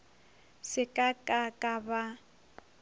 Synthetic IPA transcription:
sɪkʼakʼakʼaba

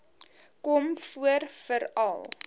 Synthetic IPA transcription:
kɔmfuərfəɾɐ̰lˠ

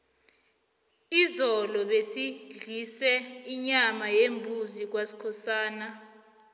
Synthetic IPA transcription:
izɔlɔɓesiɮisɛiɲamajembʱuzik̬wasi̥kʰɔsaːna

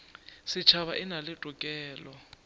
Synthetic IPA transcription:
sɪt͡ʃʰaβaʔɪnalɪtʼukʼɛːlɔ

